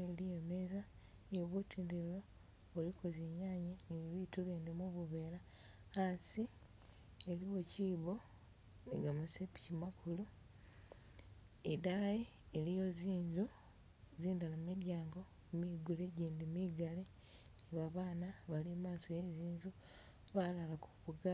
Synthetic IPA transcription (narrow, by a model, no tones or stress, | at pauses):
elijomeza | nioβutʰiːndeɾilo | olikʰozeɲaːɲeniβiβituβeːndemuβuβeːla | asi | eliwo̞ciːβo̞ | nḛɡamusepi̥cimakʰulu | edaje | elijo̞ziːɲzu | ziːndalamumidjaːŋɡo̞ | miɡuleɟiːndimiɡale | niβaβaːnaβalimaːso̞jeziːɲzu | βalalakuβuɡa